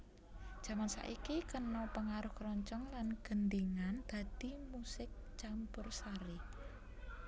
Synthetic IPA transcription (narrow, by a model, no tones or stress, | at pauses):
d̥d͡ʒʒ̥a̤mansa̰ʔikikənɔpəŋaɾʊhkɾɔɲt͡ʃɔŋlanɡ̥ənd̪iŋand̪̥ä̤d̪̥imusɪk̚t͡ʃampʊrsaɾi